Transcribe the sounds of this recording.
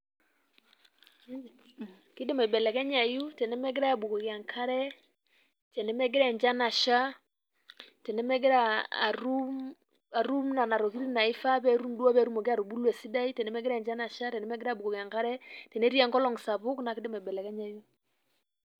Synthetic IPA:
ki˦de˦mɔ˨bɛ˨lɛ˨kɛ˦ɲa˨ju˦tɛ˨nɛ˦mɛ˦ɡ̬ɪ˦ɾa˦a˨bu˨kɔ˨ɣja˨ŋkʰa˦ɾɛ˦ | tɛ˨nɛ˦mɛ˦ɡɪ˦ɾɛ˨ɲd͡ʒa˦na˨ʃa˦ | tɛ˨nɛ˦mɛ˦ɡe˦ɾa˦a̰˨ɾu˦m | a˨ɾu˦mna˨na˨ɾɔ˨ki˦ɾi˦na˨i˦fa˦βɛ˦ɾu˦mdwa˦βɛ˦ɾu˦mɔ˨ke˦a˦ɾu˨bu˦lwɛ˨si˦da˦i˦tɛ˨nɛ˦mɛ˦ɡɾɛ˦˨ɲd͡ʒa˦na˨ʃa˦tɛ˨nɛ˦mɛ˦ɡɪ˦ɾa˦˨bu˨kɔ˨ɣja˨ŋka˦ɾɛ˦tɛ˨nɛ˦ɾi˦a˨ŋɡɔ˦lɔ˨ŋsa˨βʊ˦kna˨kɪ˦de˦mɔ˨bɛ˨lɛ˨kɛ˦ɲa˨ju˦

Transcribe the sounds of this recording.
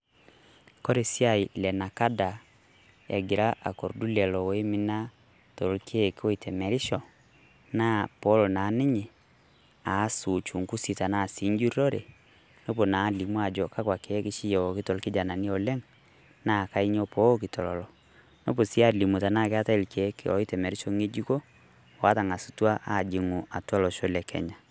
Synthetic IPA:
kɔ˦ɾe˨si˦a˦i˨lɛ˨na˨ka˦da˨ | ɛ̰˨ɡi˨ɾa˦ʔa̰˨ko˨ɾdu˦lɛ˨lɔ˨we˦mi˦na˦ | to˨ɾo˨lkʰe˦ko˦i˨tʰɛ˨mɛ˨ɾi˦ʃɔ˨ | na˦pɔ˦lo˨na˨˦ne˦ɲe˨ | a˨˦su˨t͡ʃu˨ŋku˦si˨ta˨na˦˨si˨˦ɲd͡ʒu˦ɾɔ˦ɾe˨ | no˦po˨na˨˦li˨mwa˨d͡ʒɔ˨ka˦kwa˨keː˨˦ki˦ʃi˦jɔ˨ki˦tɔ˨lki˦d͡ʒa˨na˨ni˦o˨lɛ˦ŋ | na˨ka˦i˦ɲo˦po˦ki˨tʰɔ˨lɔ˨lɔ˨ | no˦p̬o˨si˦a˦li˨mu˨ta˨na˦˨ke˦a˦ta˦˨lke˨˦ke˦ɔ˨i˦tɛ˨mɛ˨ɾi˦ʃɔ˨ŋe˦d͡ʒi˦ko˦ | o˨a˦ta˨ŋa˨su˨twa˦ʔa˦˨d͡ʒi˨ŋu˨a˨twa˦lɔ˨ʃo˦lɛ˨kʰɛ̰˨ɲa˨

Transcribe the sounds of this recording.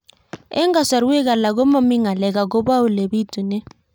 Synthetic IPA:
ɛ̰˦ŋɡa˨sa˨ɾe˦ka˨la˨ɡo˦ma˦mi˦ŋa˨lɛ˨ka˨ɡ̬o˦ba˦ʊ˨le˨bi˦tu˨nɛ˦

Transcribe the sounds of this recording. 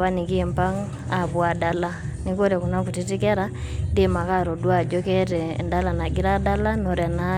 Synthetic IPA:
βa˦ni˨kimpa˦ŋ | a˨βwa˨dala | ni˦ko˦ɾɛ˨ku˨na˦ku˨ti˦ti˦kɛ˦ɾa | ndima˨ka˦ɾo˨dwa˦d͡ʒɔ˦kɛtɛ̰nda˦la˨na˨ɡi˦ɾa˦da˦la˦no˨ɾɛ˨na

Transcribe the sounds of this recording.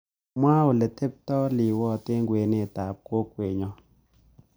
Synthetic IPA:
mwa˦o˨le˨te˦p̚tɔ˦lɪ˨wɔ˦˨te˦ŋɡwe˨ne˦˨ta˨p̚ko˦kwe˨ɲɔ˦

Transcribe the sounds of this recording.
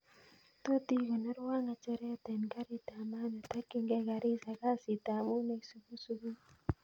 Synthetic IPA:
to˦ti˦kɔ˨nə˦ɾwa˦ŋa˨t͡ʃɛ˦ɾɛ˦tɛ˨nka˦ɾi˦ta˨ma˦ne˨ta˦ke˦ŋɡɛ˦ka˨ɾi˦sa˨ka˦si˨ta˨mu˦ne˦ksu˦ku˦su˦ku˦

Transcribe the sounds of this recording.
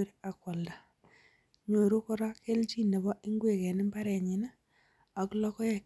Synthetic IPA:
ɾa˨kwɔ˨lda˨ | ɲo˨ɾu˦kɔ˦ɾa˦ke˦lt͡ʃi˦˨nɛ˨βɔ˦ɪ˦ŋɡwe˦˨kɛ˨nɪ˦mba˦ɾɛ˨ɲɪ˨na˦ | a˨klɔ˦kɔ˦jɛ˨

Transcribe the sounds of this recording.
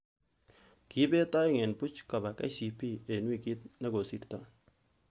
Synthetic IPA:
ki˦be˦tɔ˦ɪ˦ŋe˨npu˦t͡ʃka˨ba˨kɛ̰˦si˨pi˦e˨nwi˦˨ki˦t̚ne˦ɡo˨si˦˨ɾtɔ˦˨

